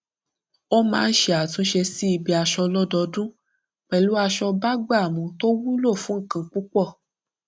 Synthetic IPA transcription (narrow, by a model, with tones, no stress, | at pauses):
o˦mãː˦n̩˦ʃe˧a˨tũ˨˦ʃe˧si˦i˧bi˧a˧ʃɔ˧lɔ˦dɔ˧dũ˦ | k͡pɛ˨lu˨˦a˧ʃɔ˧ba˦ɡ͡ba˦˨mũ˨˧to˦wu˦lo˦˨fũ˨˦ŋ̩˦˨kã˧˦k͡pu˦k͡pɔ˦˨